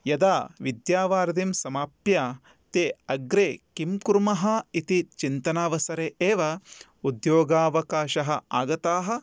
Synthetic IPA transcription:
jɐd̪aːʋid̪jaːʋaːɾd̪imsɐmaːpja | t̪eːɐɡɾeːkimkuɾmɐɦɐit̪it͡ʃint̪ɐnaːʋɐsɐɾeʔeːʋɐ | ud̪joːɡaːʋɐkaːʃɐɦɐaːɡɐt̪aːɦɐ̆

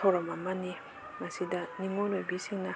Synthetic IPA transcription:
ɔɾɔmamani | masidaniŋɔɾojbisiŋna

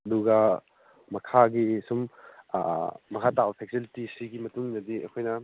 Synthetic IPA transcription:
ɐduɡɐ | mɐkʰaɡisum̰ | mɐkʰatabɐpʰek̚silitisiɡimɐtuŋnɐdiɐ̰kʰojnɐ

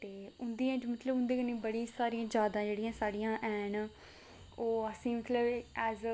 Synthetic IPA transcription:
t̪eːʊnd̪iːãːd͡ʒmət̪ləbʊnd̪ĩːknĩːbəɽĩsaːɾĩːãːd͡ʒjaːd̪ãːd͡ʒeːɽijãːsaːɽijãːʔɛːn | oːəsĩːmət̪ləbɛːz

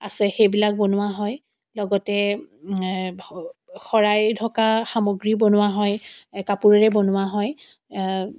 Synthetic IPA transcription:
a̰sɛxejbilak̚bonʊwaɦɔj | lɔɡɔtɛ | xɔɹajdʱɔkaxamoɡɹibonʊwaɦɔjkapuɹɛɹɛbonʊwaɦɔj

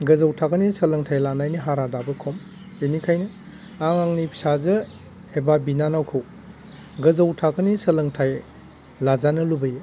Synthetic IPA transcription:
ɡɐzawtʰakʰɯnisɐlɐŋtʰajlanajniɦaɾadabɯkʰɔm | enikʰajnɯ | aŋaŋnipʰsazɯ | ebabinanawkʰɯw | ɡɐzawtʰakʰɯnisɐlɐŋtʰaj | lazanɯlubɯje

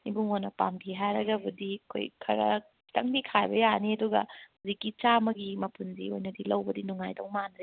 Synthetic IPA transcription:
nibuŋonɐpa̰mɡiɦajɾɐɡɐbudiɐkʰo̰jkʰɐɾɐ̰ | tɐŋdikʰajbɐjaniɐduɡɐ̰huzikːit͡ʃamɐɡimɐpʰundio̰jnɐdilɐwbɐdinuŋajdoŋmanɾe

